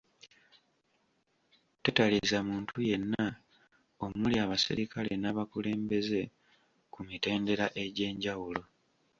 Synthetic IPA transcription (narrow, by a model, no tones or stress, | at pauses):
tetalizamuːntʰuje̞nːa | o̞muliaβasḭɾikale̞̰naːβakule̞ːmbe̞ze̞ | kumite̞ːnde̞ɾaʔe̞ɟe̞ːɲɟawulo̞